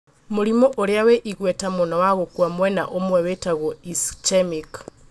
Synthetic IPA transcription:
moɾimoʔoɾjawɛʔiɣwɛtamonawaɣokwamwɛnaʔomwɛwetaɣɔist͡ʃɛmik

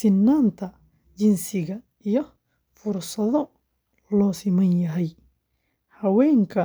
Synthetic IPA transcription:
sɪnːaːnt̪ʰɐ | t͡ʃɪnsɪɣɐ | ijɔ | fʊrsɐðɔ | lɔːsɪmɐnjɐɦɛj | hɐwɛːŋkʰɐ

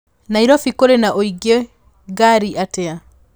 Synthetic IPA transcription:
naiɾɔfikoɾenaʔoiɡe | ɡaɾiʔatea

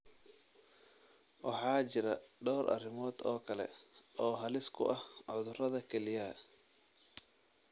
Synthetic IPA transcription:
wʔɑħɑːt͡ʃɪɾɐɖɔwɾʔɐ̰rɪmɔːd̪ɔːkʰɐlɛ̰ɔːɦɐlɪskʰʊ̰ʔɐhʕʊðʊrɐðɐkʰɛlɪjɐɐ

